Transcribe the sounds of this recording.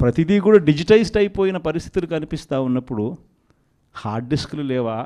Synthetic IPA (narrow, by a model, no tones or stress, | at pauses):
pɾɐt̪id̪ikuːɽaːɖid͡ʒiʈɐjsʈɐjipoːjinɐpɐɾist̪ʰi̥t̪ulukɐnipist̪aːunːɐpːuɽu | haːɾɖɖiskululɛːʋaː